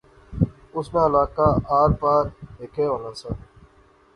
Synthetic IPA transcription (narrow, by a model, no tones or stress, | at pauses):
ʊsmẽːəlaːkaːaːɾpaːɾɦeːkʰeːoːlãːsãː